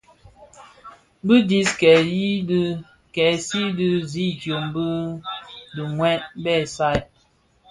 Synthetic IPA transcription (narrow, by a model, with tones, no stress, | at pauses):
bɨ˦di˨skɛ˨ji˦ | kɛ˨si˦dɨ˦zi˦˨tjo˨mbə˦ | du˨ŋwɛ˦t̚bɛ˦˨sa˦˨j